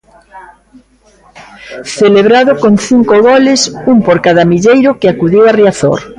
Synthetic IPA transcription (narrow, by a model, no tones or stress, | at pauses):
θeleβɾaðʊkoŋθiŋkoɣɔlɪsuŋpoɾkaðamiʎejɾʊkɪakuðiwariaθo̰ɾ